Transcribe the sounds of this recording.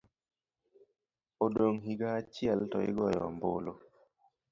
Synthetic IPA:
odoŋɦiɡat͡ʃiɛltɔ̰ɪ̰ɡɔjɔ̰mbo̰lo

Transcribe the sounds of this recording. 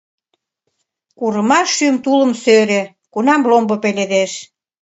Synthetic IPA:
kuɾəmɑʃːymt̪ulə̆msøɾe | kunɑmlombopeled̪eʃ

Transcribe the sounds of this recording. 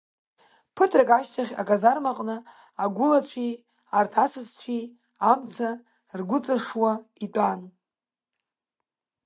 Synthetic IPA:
pʰɨtʰrakʼaʃtʰaχʲa̰kʼazarmaqʼnɨ | aɡʷʊlat͡ɕʷʰi | artʰasɨzt͡ɕʷʰi | amt͡sʰa | rɡʷʊt͡sʼaʂwaitʷʼan

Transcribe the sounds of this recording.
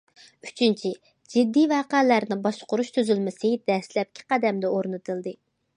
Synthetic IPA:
yt͡ʃʰint͡ʃʰi | d͡ʒɪd̪ːijvɑːqælæɾnɪbɑʃqʊɾuʃt̪ʰyzylmɪsɨd̪̥ɛslɛp̚kʲʰi̥qæd̪ɛmd̪ɛoɾnɨt̪ʰɨlˠd̪ɨ

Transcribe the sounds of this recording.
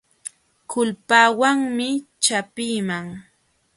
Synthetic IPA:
kʊlpaːwaŋmɪt͡ʃapiːmaŋ

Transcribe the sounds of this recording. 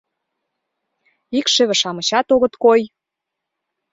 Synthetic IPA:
ikʃĕβĕʃɑmə̆t͡ɕɑt̪oɣə̆t̪koj

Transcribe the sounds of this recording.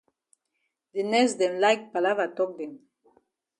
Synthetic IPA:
d̪inɛsd̪ɛ̃nlajk̚palavatɔk̚d̪ɛ̃m

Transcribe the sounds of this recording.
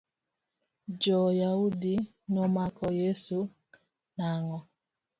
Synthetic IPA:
d͡ʒɔjaudi | nɔmakʰɔjesu | naŋɔ

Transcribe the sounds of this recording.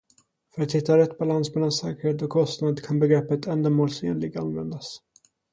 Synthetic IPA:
fœɾat̪hɪt̪ːaɾɛt̪ːbalansmɛlːansɛːkəɾheːt̪ɔkʰːɔst̪nad̪kʰanbɛɡɾɛpːət̪ʰɛnd̪əmoːlsḛːnlɪɡ̪̚a̰nvɛnd̪as

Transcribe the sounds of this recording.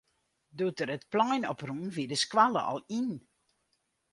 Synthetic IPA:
dutəɾətplɔjnɔprunvidəskʋalə̰ʔɔ̰lˠin

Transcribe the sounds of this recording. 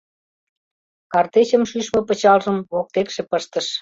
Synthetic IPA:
kɑrt̪et͡ɕə̆mʃyʃmɤpə̆t͡ɕɑlʒəmβok̚t̪ekʃĕpəʃt̪əʃ

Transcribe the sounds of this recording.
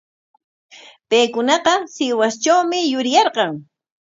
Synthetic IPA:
pejkʊnɑqɑsɪwast͡ʃawmɪjʊɾjɑɾqɑŋ

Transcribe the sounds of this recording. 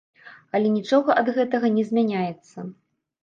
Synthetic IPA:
ɐlʲɛnʲit͡ʂɔɣɐʔɐd̪ɣɛt̪ɐɣɐnʲɛzʲmʲanʲajɛt̪sːɐ

